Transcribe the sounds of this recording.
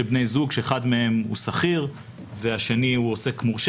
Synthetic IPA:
ebnejzuɡʃeeχadme̞e̞mṵsaχiʁ | ve̞aʃe̞niuo̞se̞kmuʁʃ

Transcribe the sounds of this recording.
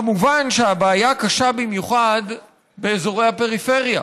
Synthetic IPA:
amuvanʃeabaːjakaʃabimjuχad̪ | be̞ːzo̞ʁejhape̞ʁife̞ʁja̰

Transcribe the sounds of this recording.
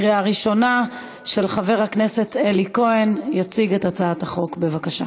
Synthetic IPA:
ʁeaʁiʃo̞na | ʃe̞lχave̞ʁhakne̞se̞teliko̞enjat͡siɡe̞tat͡saathaχo̞kbevakaʃa̰

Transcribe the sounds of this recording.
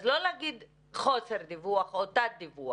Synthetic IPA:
zlolaɡid̪ | χoseʁd̪ivuaχot̪at̪̚d̪ivua

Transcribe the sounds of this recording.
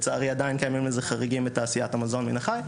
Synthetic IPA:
t͡saʁiːadaɪnkɛnmɪməzɪχaʁɪɡinmɪtasiatamazɔnmḭnaχaɪ

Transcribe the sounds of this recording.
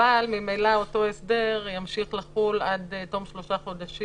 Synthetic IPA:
almimejlao̞to̞esd̪eʁjamʃiχlaχulad̪to̞mʃlo̞ʃaχo̞d̪aʃi

